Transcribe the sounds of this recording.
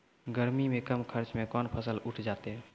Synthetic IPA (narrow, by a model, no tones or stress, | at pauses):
ɡəɾmimẽkəmkʰəɾt͡ʃmẽkɔnpʰəsəluʈʰd͡ʒat̪e